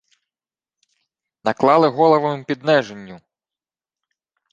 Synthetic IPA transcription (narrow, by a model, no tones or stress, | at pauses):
nɐklˠɑlˠɪɦɔlˠɐʋɐmɪmpʲid̪nɛʒenʲːu